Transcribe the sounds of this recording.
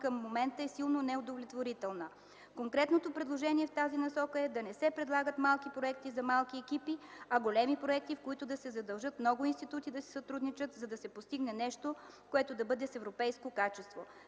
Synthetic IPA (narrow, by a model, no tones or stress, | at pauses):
kəmːomɛnt̪əɛsilˠnonɛod̪ovlʲɛt̪voɾit̪ɛlˠnə | koŋkɾɛt̪not̪opɾɛd̪lˠoʒɛniɛft̪azinɐsɔkəɛd̪ɐnɛsɛpɾɛd̪lˠaɡət̪malˠkipɾoɛk̚t̪izɐmalˠkiɛkipiɐɡolɛmipɾoɛk̚t̪ifkoit̪ʊd̪ɐsɛzɐd̪ɐlˠʒɤt̪mnɔɡʊinst̪it̪ut̪id̪ɐsɛ̥sɐt̪ɾud̪nit͡ʃət̪zɐd̪ɐsɛpost̪iɡnɛnɛʃt̪o | koɛt̪od̪ɐbɤd̪ɛsɛvɾopɛjskokat͡ʃɛst̪vo